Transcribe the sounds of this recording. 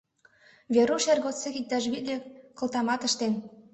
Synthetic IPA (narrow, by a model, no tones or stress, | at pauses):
βeɾuʃærɣot͡sːexik̚t̪ɑʃ̬βit̪lʲekɤ̆lt̪ɑmɑt̪ə̆ʃt̪en